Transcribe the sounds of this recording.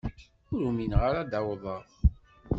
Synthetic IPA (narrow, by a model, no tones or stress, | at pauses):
ʊɾuminʁaɾad̪awðˤəɾˤ